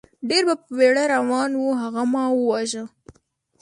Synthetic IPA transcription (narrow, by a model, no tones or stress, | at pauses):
ɖeɾbapəweɽaɾawɑnwuɦaɣamɑwəwaʒə